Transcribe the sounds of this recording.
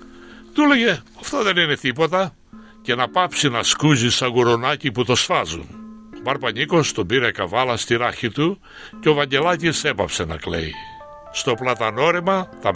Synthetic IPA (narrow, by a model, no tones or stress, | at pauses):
t̪ule̞ʝe̞ɐft̪oðe̞nine̞t̪ipo̞t̪ɐ | ce̞nɐpɐpsinɐskuzisɐɣuɾonɐciput̪o̞sfɐzṵnobɐɾpɐɲiko̞st̪obiɾekɐvɐlɐst̪iɾɐçit̪u | ceo̞vɐɲɟe̞lɐcise̞pɐpse̞nɐ̰kle̞̰i | st̪o̞plɐt̪ɐno̞ɾimɐt̪ɐ